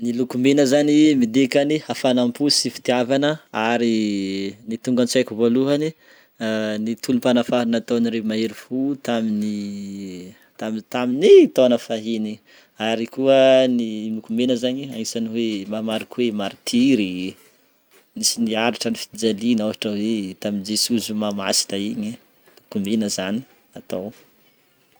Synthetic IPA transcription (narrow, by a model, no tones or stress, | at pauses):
nilukumenəzanimid̪ekanihafanampusifi̥t̪iavanəaɾi | nit̪uŋɡant͡sajkuvoluɦani | nit̪ʰulumpanafaɾinat̪oniɾemaeɾifut̪amini | t̪amt̪aminit̪onəfaɦini | aɾikuənimukumenəzaɲiaisaniwemamaɾikuwemaɾit̪ʰiɾi | nisiniaɾiʈ͡ʂənifi̥d͡zalinaaʈ͡ʂəwet̪amind͡ʒesuzumama̰si̥nəiɲi | mukumenəzani̥ | at̪aw